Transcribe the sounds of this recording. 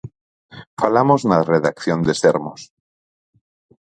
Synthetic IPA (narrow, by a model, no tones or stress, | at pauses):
falamoznareðakθjond̪eseɾmos